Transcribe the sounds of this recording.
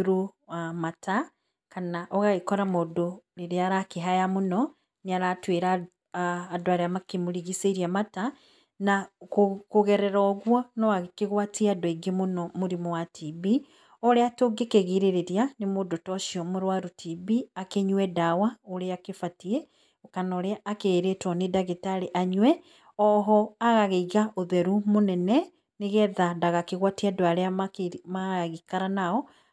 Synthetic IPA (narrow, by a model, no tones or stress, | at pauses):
ɾuamatʰa | kanaʔoɣaɣikoɾamudoliɾeaɾakiɦajamuno | niaɾatweːɾaː | dwaɾeamakimuɾiɣiseɾjamata | na | kuɣeɾeɾoɣwanoaɣikiɣwatiadoiɡimunomuɾimuwatʰibi | oɾeatoɡekeɣiɾeɾeɾjanemodotɔʃiɔmoɾwaɾutʰibiakeɲuɛdawaoɾeakefatiɛ | okanɔɾeaʔakeːɾetwɔnedaɣetaɾeʔaɲwɛ | ɔɦɔaɣaɣeiɣaʔoðɛɾumonɛnɛ | neɣɛðadaɣakeɣwatiadoaɾeaamaɣikaɾanaɔ